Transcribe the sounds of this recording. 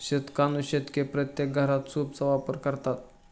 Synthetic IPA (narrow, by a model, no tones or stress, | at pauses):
ɕet̪kanuɕet̪kepɾət̪jek̚ɡʱəɾat̪suːbsəʋapəɾkəɾt̪at̪̚